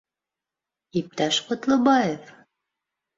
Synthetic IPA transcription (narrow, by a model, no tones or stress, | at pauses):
ip̚t̪æʃqŏt̪lˠɤbɑjef